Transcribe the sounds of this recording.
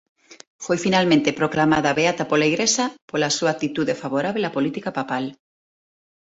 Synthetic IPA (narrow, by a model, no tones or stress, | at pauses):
fojfinalmẽnt̪epɾoklamaðaβeat̪apolaiɣɾesapolasuak̚t̪it̪uðefaβoɾaβ̞eapolit̪ikapapal